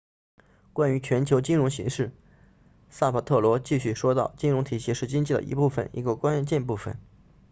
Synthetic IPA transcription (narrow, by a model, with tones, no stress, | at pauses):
kwa˥ny˧˥t͡ɕʰɥɛ˧˥nt͡ɕʰjo˧˥ʊt͡ɕi˥ŋɻʊ˧˥ŋɕḭ˧˥ŋʂɻ̩˥˩ | sa˥˩pʰa˨˩t̪ʰɤ˥˩lwɔ˧˥t͡ɕi˥˧ɕy˥˩ʂwɔ˥t̪ɑ˥˩ʊt͡ɕi˥ŋɻʊ˧˥ŋt̪ʰi˨˩ɕi˧˥ʂɻ̩˥˩t͡ɕi˥ŋt͡ɕi˥˩d̪ə̰˨˩ḭ˧˥pu˥˩fə̰˩nḭ˧˥ɡə˧kwa˥nt͡ɕjɛ˥˧npu˥˩fə̰˨˩˦n